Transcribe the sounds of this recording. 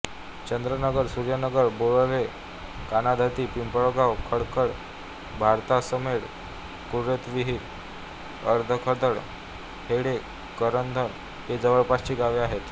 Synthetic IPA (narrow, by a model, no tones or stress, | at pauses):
t͡ɕənd̪ɾənəɡəɾsuɾjənəɡəɾboɭəʋe | kanad̪ʱat̪iːpimpəɭoɡawkʰəɽkəɽ | bʱaɾt̪asəmeɽ | kuɾet̪ʋiɦit̪ | əɾd̪ʱəkʰəd̪əɽ | heɽe | kəɾənd̪ʱən | hed͡zəʋəɭpast͡ɕiːɡaʋeaɦet̪